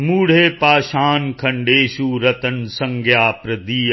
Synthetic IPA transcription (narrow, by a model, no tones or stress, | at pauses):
muːɽ̤eːpaːʃaːnkʰɐ̃ɳɖeːʃuːɾɐt̪ənsɐ̃ŋɡʱjaːpɾɐd̪iː